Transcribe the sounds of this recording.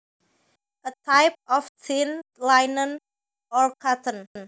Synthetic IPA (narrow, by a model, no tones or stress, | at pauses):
ʔət̪ʰajp̚ɔftʰɪnlajnə̃n | ɔɹkʰatə̃nn